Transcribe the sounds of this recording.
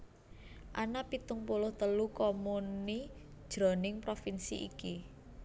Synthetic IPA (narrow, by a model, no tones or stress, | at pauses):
ʔanapit̪ʊŋpulʊht̪əlukomuni | d̥ʒ̥ɾɔ̤nɪŋpɾofinsḭʔḭki